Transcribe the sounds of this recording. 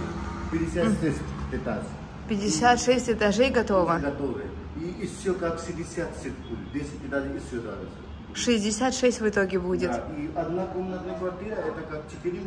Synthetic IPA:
pʲɪdʲɪsʲat̪d̪esʲɪtʲɛt̪aʐ | pʲɪdʲɪsʲat̪ʂɛsʲtʲɛt̪aʐejɡɐt̪ovəɡɐt̪ovɨ | iːsʲokakʂɪdʲɪsʲat̪sʲet̪ʲbud̪ʲɪt̪d̪ʲesʲɪtʲɪt̪ad̪iisʲod̪a̰d̪ɐs | ʂɨzʲdʲɪsʲat̪ʂɛsʲtʲvɨt̪oɡʲɪbudʲɪt̪iɐd̪nakomnət̪əkvɐrt̪ʲiɾɐɛt̪ɐkakt͡ʃɪt̪ɨɾʲi

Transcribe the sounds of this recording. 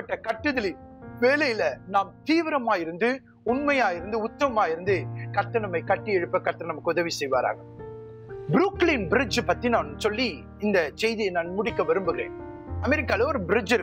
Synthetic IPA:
pːɐʈːɐkɐʈːɯðɐliʋeːlɐjɪlɐnaːmt̪iːʋɪɾɐmaːjɪɾɯnd̪ɯ | ʊnmɐjaːjɪɾɯnd̪ɯʊt̪ːɐʋɐmaːɪɾɯnd̪ɯkɐɾt̪ːɐnɐmɐɪkɐʈːiɛɻɯpːɐkɐɾt̪ːɐnnɐmɐkːɯʊðɐʋisɛjʋaːɾa̰ːŋɡɐ | bɪɾuːklinbɪɾɪd͡ʒpɐt̪ːinaːnɯsɔlːi | ɪnd̪ɐsɛjðiɐnaːnmʊɽɪkːɐʋɐɾɯmbɯɣɪɾḛːn | ɐmɛɾɪkːaːleɔɾɯbɪɾɪd͡ʒɪɾɯ

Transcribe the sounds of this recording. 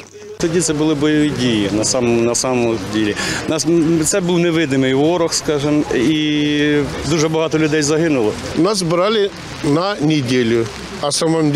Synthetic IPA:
t̪ɐdʲit̪sɛbʊlˠɪbɔjɐʋʲdʲijinɐsamnɐsamɔdʲelʲɪnast̪sɛbɨwnɛʋɪd̪nɪmɪjʋɔɾɔxskɑʒɨmi | d̪uʒɛbɐɦɑt̪ɔlʲʊd̪ɛjzɐɦɪnʊlˠɔ | nas̬bɾalʲɪ | nɐnʲɪdʲelʲʊ | ɐsamɔmʲ

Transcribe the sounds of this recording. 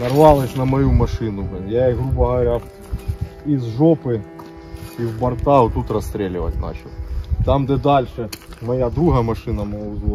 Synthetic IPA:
nɐrʋɑlˠɪsʲnɐmɐjumɐʂɨnʊjaiɣɾubɐɦɐʋɐɾʲa | izʐɔpɨ | iwbɐrt̪aɦʊt̪ut̪rɐst̪ɾʲelʲɪʋɐ̰tʲnɑ̰t͡ɕɪlˠt̪amd̪ɛd̪alʲʂɛmɐjad̪ɾuɦɐmɐʂɨnɐmɐlˠz

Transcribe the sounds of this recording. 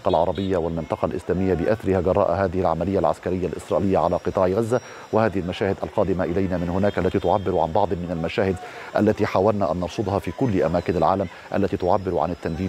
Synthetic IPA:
qɑlʕɑɾˤɑbɪjːawalmɪnt̪ˤɑqɑlʔɪ̰slaːmɪjːabɪʔaθaɾɪhaɡɑrˤːɑ̰ːʔaɦaːðɪhɪlʕa̰malɪjːalʕa̰skaɾɪjːalʔɪ̰sɾˤɑːʔɪlɪjːaʕalaːqɨt̪ˤɑːʕɣazːa | wɪhaːðɪhɪlmaʃaːhɪd̪ʔa̰lqɑːd̪ɪmaʔɪlajnamɪnhʊnaːkʔalːat̪iːt̪ʊʕabːɪɾʊʕa̰nbɑʕd̪ˤmɪnalmaʃaːhɪd̪ʔa̰lːat̪iːħaːwalnaʔanːɑɾˤsʊd̪ˤhɑfiːkʊlːʔamaːkɪnalʕa̰ːlam | ʔa̰lːat̪iːt̪ʊʕabːɪɾʊʕa̰nɪt̪ːandiː

